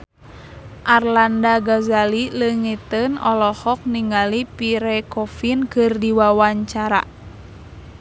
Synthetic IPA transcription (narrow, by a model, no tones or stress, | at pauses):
ʔarlandaɡazaliləŋit̪ənɔlɔhɔk̚niŋɡalipiɾɛkɔfinkɨrdiwawaɲt͡ʃaɾa̰